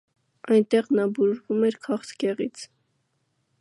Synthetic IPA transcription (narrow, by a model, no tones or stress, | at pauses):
ɑjnt̪ɛʁnɑbuʒvumɛɾkʰɑχt̪ʰkɛʁit͡sʰ